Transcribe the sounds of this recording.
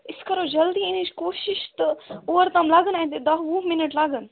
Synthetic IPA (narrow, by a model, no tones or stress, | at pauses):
ɪskɐɾoːd͡ʒɐld̪iɪnit͡ʃkoːʃɪʃt̪oːɾt̪ɐmlaɡənaĩt̪ed̪ɐʋũːmɪnəʈlaːɡən